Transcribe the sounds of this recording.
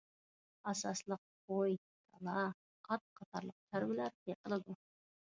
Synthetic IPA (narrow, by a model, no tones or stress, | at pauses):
ɑsɑslˠəq̚boj | t̪ʰɑlˠɑ | qʰɑt̪̚qʰɑt̪ʰɑɾlˠəq̚t̪ʰaɾwɪlæɾt̪eqʰəlˠɑd̪u